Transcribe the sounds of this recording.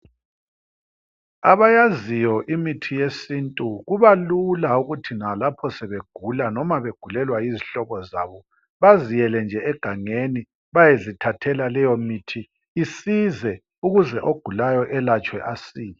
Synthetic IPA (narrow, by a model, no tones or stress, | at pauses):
aβajazijɔʔimitʰijesintʼuɣuβalulauɣutʰinalapʰɔsɛβeɡ̥ʱulanɔmaβeɡ̥ʱulɛlwaiziɬɔβɔza̰βɔ | βazijɛlɛnd͡ʒʱɛɛɡ̥ʱaŋeni | βajezitʰatʰɛlalɛjɔmitʰiː | sizɛ | uɣuzɛʔoɡ̥ʱulajɔʔɛlat͡ʃʼwɛʔasiːlɛ